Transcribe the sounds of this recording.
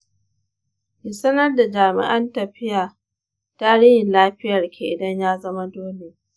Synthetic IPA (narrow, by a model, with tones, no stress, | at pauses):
ʔɪ˨sɐ˦nɐ˦rda˨d͡ʒaː˨mɪ̰˦ʔɐ˦ntɐ˨ɸɪ˦jaː˨ | taː˦ɽɪ˦hɪ˨nlaː˦ɸɪ˦jɐ˨rkʲe˨ʔɪ˨dɐ˦ɲjaː˦zɐ˦ma˦doː˦le˨